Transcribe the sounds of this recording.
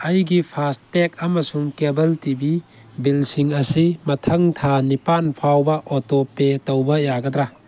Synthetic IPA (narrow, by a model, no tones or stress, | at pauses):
ɐjɡipʰastek̚amɐsumkebɐltibi | bilsiŋɐsimɐtʰɐŋt̪ʰanipanpʰawbɐʔɔtɔpetowbɐjaɡɐd̪ɾa